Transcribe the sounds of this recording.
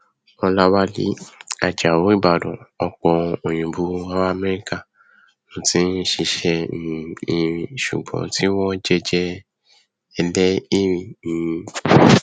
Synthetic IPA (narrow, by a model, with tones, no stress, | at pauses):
ɔ˧la˦wa˦lḭ˦a˨d͡ʒa˨wo˨˦i˦˨ba˨dɔ̰̃˨ɔ˧k͡pɔ˧o˨j̃ĩ˨bu˨˦wa˧˦wa˦a˦˧mɛ˦ɾi˦ka˦˨ | nũ˨˦tĩ˦ʃi˧ʃɛ˧˨ĩ˨ĩ˧ɾĩ˨ʃṵ˨ɡ͡bɔ̰̃˨˦tʰi˦wɔ̃˦d͡ʒɛ˦d͡ʒɛ˦ | ɛ˧lɛ˦i˦˨ɾĩ˨nĩ˨˧